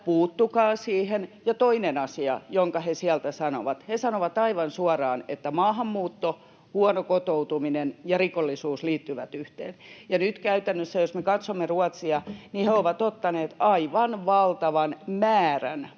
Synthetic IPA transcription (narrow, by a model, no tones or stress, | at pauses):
puːt̪ːukɑːsiːhenjɑt̪oinenɑsiɑ̰joŋkɑhesiælt̪æsɑno̰ʋɑt̪hesɑnoʋɑt̪ɑiʋɑnsuɑrɑːnet̪ːæmɑːɦɑmːuːt̪ːo | huɑnokot̪out̪uminenjɑrikolːisuːsliːt̪ːyʋæ̰t̪yht̪ḛːnjɑnyt̪kæyt̪ænːøsːæjosmekɑt̪somːeruɑt̪siɑniheoʋɑt̪ot̪ːɑneːt̪ɑiʋɑnʋɑlt̪ɑʋɑnmæːræ̰n